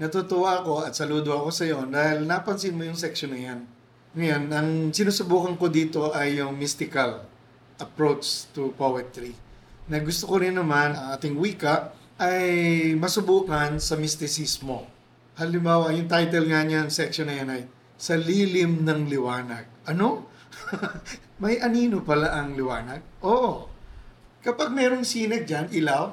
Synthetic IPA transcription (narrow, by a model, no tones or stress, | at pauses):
nɐt̪ot̪owako̞ʔɐt̪sɐluːd̪oɐko̞sɐjoʔond̪aːhɪlnaːpɐnsɪnmojʊŋsɛkʃonɐjan | ŋɐjanɐŋsɪnuːsʊbuːkɐŋko̞d̪iːt̪o̞ʔɐjːʊŋmist̪ɪkɐl | ʔɐpɹot͡ʃt̪upowɛt̪ɾinɐɡʊst̪okoɾɪnːɐmanɐŋʔaːt̪ɪŋwiːkɐʔ | ʔɐjmɐsʊbuːkɐnsɐmɪst̪ɪsismo̞ | hɐlɪmbaːwɐjʊŋt̪ajt̪ɛlŋɐɲaɐŋsɛkʃonɐjanɐj | sɐliːlɪmnɐŋlɪwaːnɐɡ̚ʔɐno̞ | mɐjʔɐniːnopɐlaʔɐŋlɪwaːnɐɡ̚ʔoːʔo | kɐpaɡ̚mɛːɾo̞ŋsiːnɐɡ̚d͡ʒanʔɪlaw